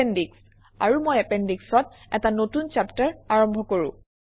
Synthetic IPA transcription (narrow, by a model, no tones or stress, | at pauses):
endiks | a̰ɹumojɛpɛndiksɔt | ɛtanotunt͡ʃaptaɹaɹɔmbʱɔkoɹṵ̃